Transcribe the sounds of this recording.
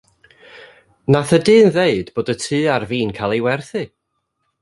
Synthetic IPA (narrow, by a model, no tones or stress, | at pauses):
naθədɨːnðeɨdboːdətʰɨːarviːnkʰaːlˠejwɛrθɨ